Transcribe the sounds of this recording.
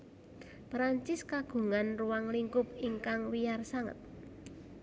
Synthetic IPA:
pɾaɲt͡ʃɪskaɡ̥ṳŋanruwaŋliŋkʊp̚iŋkaŋwijarsaŋə̰t̪̚

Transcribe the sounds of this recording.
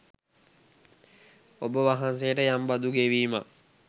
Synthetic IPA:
obəʋaɦans̬ejəʈəjambad̪uɡeʋiːma̰

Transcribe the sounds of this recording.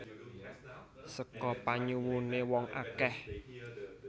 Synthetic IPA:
səkɔpaɲuwunewɔŋʔa̰kɛh

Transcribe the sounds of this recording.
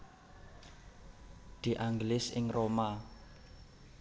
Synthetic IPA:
d̪̥i̤ʔaŋɡlɪsɪ̰ŋroma

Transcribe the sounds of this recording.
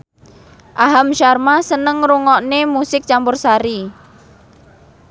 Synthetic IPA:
ʔaɦamʃarmasənəŋruŋɔʔnemusɪk̚t͡ʃampʊrsaɾi

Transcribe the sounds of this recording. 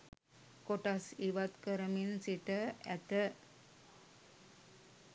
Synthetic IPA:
koʈasiʋat̪kəɾəminsiʈəæt̪ə

